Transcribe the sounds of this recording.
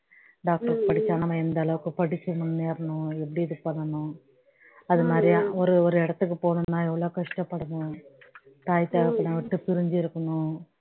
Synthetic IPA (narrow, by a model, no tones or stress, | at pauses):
ɖaːk̚ʈɐɾkpɐɽit͡ʃːaːnɐmɐɛnd̪ɐɛlɐʋɯkːɯpɐɽit͡ʃːununːeːɾɐnuepːɐɽid̪ukːpɐɳːɐnu | ɐðumaɐːɾɐjɐɔɾuɔɾɯɛɽɐt̪ːɯkːɯpoːɳunːaːɛʋːɐɭoːkɐʂʈɐpːɐɽɐnu | t̪aːjt̪aːʋɐkːɐɳɐʋiʈːupiɾiɲd͡ʒiɾɯkːɐnu